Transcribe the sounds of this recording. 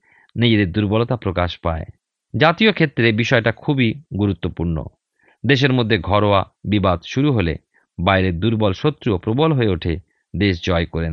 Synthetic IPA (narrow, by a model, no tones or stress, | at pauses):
nid͡ʑed̪eɾd̪uɾbɔlot̪apɾokaʃpae | d͡ʑat̪iokʰet̪ːɾebiʃɔeʈakʰubiɡuɾut̪ːopuɾno̰ | d̪eʃ̬eɾmod̪ʱːeɡʱɔɾoabibad̪ʃuɾuɦolḛ | bajɾeɾd̪uɾbɔlʃot̪ːɾuopɾobolɦoeoʈʰe | d̪eʃd͡ʑɔekoɾen